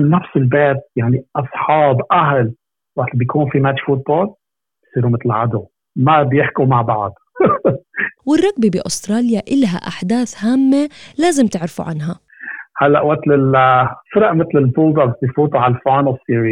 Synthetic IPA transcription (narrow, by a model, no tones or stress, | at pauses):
nːafsɪlbeːt̪̚jaʕniʔɑsˤħɑːbʔaɦl | wat̪lbjkʰuːnfimat̪ʃfut̪̚boːl | bbsˤiːɾumɪt̪lʕad̪u | mabjɪħkumaʕbaʕd̪ | wɪrˤːɑɡbibiʔʊst̪ɾˤɑːljaʔɪlɦa̰ʔaħd̪aːθhaːmːelaːzɪmt̪ɪʕɾɪfṵʕa̰nɦa | halːaʔwat̪lɪlfɪɾɑʔmɪt̪lɪlbuːd̪ˤɑbasijfuːt̪ˤuʕalfoːnosiːɾi